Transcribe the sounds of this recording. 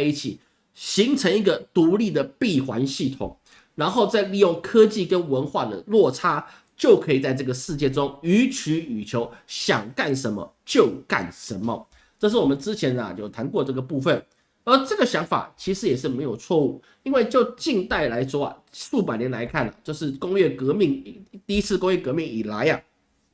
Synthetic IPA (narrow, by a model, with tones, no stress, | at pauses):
a˥˧ɪi˥˩t͡ɕʰi˨˩ | ɕi˧˥ŋt͡sʰə˧˥ŋi˧˥ɡə˨t̪u˧˥li˥˩d̪ə˩pi˥˩xwa˧˥nɕi˥˩t̪ʰʊ̰˨˩ŋ | ɻa˧˥nxo˥˧ʊt͡sa˥˧ɪli˥˧jʊ˥˩ŋkʰɤ˥t͡ɕi˥˨˩kə˦˥nwə˧˥nxwa˥˩d̪ə̰˩lwɔ˥˩ʈ͡ʂʰa˥ | t͡ɕjo˥˩ʊkʰɤ˧˥i˨˩t͡sa˥˧ɪʈ͡ʂɤ˥˩ɡə˩ʂɻ̩˥˧t͡ɕjɛ˥˩ʈ͡ʂʊ˥ŋy˧˥t͡ɕʰy˧˥y˨˩t͡ɕʰjo˧˥ʊɕjɑ˨˩ŋka˥˩nʂə˧˥nmə̰˧ | t͡ɕjo˥˧ʊka̰˥˩nʂə˧˥nmə̰˨ | ʈ͡ʂɤ˥˧ʂ̬ɻ̩˥˩wɔ˨˩mə˦nʈ͡ʂɻ̩˥˦t͡ɕʰjɛ˧˥nɐ̰˨t͡ɕjo˥˩ʊt̪ʰa˧˥nkwɔ˥˧ʈ͡ʂɤ˥˩ɡə˩pu˥˧fə˥˨˩n | ə˞˧˥ʈ͡ʂɤ˥˩ɡə˩ɕjɑ˧˥ŋfa̰˨˩t͡ɕʰi˧˥ʂɻ̩˧˥jɛ˨˩ʂ̬ɻ̩˥˩me˧˥ɪjo˨˩ʊt͡sʰwɔ˥˧u˥˩ | i˥nwe˥˧ɪt͡ɕjo˥˧ʊt͡ɕi˥˧ŋt̪a˥˩ɪla˧˥ɪʂwɔ˥ɐ̰˨˩su˥˩p̬a˨˩njɛ˧˥nla̰˧˥ɪkʰa˥˩nɐ̰˩t͡ɕjo˥˧ʊʂɻ̩˥˩kʊ˥ŋjɥɛ˥˩kɤ˧˥mi˥˩ŋt̪i˥˧i˦˥t͡sʰɹ̩˥˧kʊ˥ŋjɥɛ˥˩kɤ˧˥mi˥˩ŋi˨˩la˧˦˥ɪɐ˨